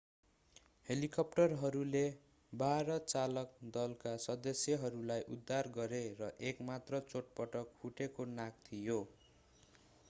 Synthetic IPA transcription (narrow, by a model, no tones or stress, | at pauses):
helikʌp̚ʈʌrɦʌɾule | baɾʌt͡salʌk̚d̪ʌlkasʌd̪ʌsjʌɦʌɾulajʔud̪ʱːarɡʌɾeɾʌʔekmat̪rʌt͡soʈ̚pʌʈʌk̚huʈekonak̚t̪ʰijo